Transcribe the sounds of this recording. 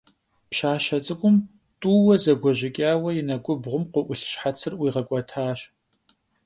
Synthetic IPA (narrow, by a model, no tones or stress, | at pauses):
pʃaːʃɕɐt͡sʼɨkʷʼʊm | tʼuːwɐzɐɡʷɔʑɪkʲʼaːwɐjɪnɐɡʷʼʊbʁʷʊmqʷʊʔʷʊɬɕħat͡sʰɨrwiːʁɐkʷʼɔtʰaːɕ